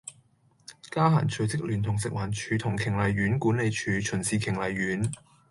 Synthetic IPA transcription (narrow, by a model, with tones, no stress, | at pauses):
kaː˥ɦa̰ː˨˩nt͡ʃʰɵ˨˧t͡sɪ˥k̚lyː˨˩nt̪ʰʊ˨˩ŋsɪ˨k̚waː˨˩nt͡ʃʰyː˨˧t̪ʰʊ˨˩ŋkʰɪ˨˩ŋlɐ˨˧jɥyː˨˥nkuː˨˥nle˨˧jt͡ʃʰyː˨˧t͡ʃʰɵ˨˩nsiː˨˧kʰɪ˨˩ŋlɐ˨jːyː˨˥n